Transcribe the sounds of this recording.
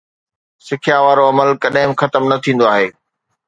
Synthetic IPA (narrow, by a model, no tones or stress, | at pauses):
sɪkʰijaːʋaːɾoɐməlkɐɗɦɪ̃mxɐt̪əmnɐt̪ʰĩːn̆d̪oaːɦeː